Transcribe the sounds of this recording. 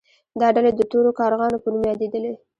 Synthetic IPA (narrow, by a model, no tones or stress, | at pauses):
d̪ɑɖalad̪əʈoɾokɑɾɣɑnopənumjɑd̪ed̪əle